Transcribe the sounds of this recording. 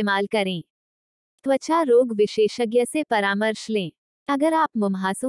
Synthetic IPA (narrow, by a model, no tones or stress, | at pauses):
eːmaːlkɐɾẽː | t̪ʋət͡ʃaɾoːɡʋɪʃeːʃəɡjəsepɐɾaːməɾʃlẽː | ɐɡəɾaːpmʊmɦaːsõ